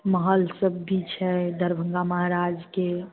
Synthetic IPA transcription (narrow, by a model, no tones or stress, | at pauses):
məɦəlsəbːit͡ʃʰɛd̪ʱəɾbʱə̃ŋɡaməɦaɾad͡ʒke